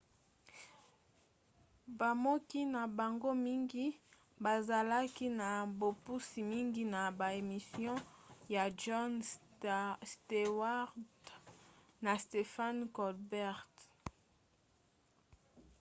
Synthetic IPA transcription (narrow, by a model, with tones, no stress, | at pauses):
ba˨mo˦ki˦na˨ba˨ŋɡo˦mi˦ŋɡi˦ | ba˨za˨la˦ki˦na˨bo˨pu˦si˨mi˦ŋɡi˦na˨ba˨e˨mi˨sjɔ̃˦ja˨ʒɔ˦n | ste˨wa˦ʁd | na˨ste˨fa˦nkɔ˨lbɛ˦ʁt